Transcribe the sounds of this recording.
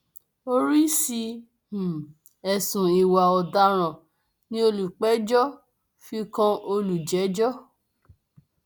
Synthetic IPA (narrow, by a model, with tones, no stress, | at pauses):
o˦ɾi˦sĩ˧˨ | ɛ˨sũ˨i˨wa˨ɔ˨da˧˦ɾ̃ã˨ | nĩ˦o˧lu˨k͡pɛ˨˦d͡ʒɔ˦ | fi˧kã˧o˧lu˨d͡ʒɛ˨˦d͡ʒɔ˦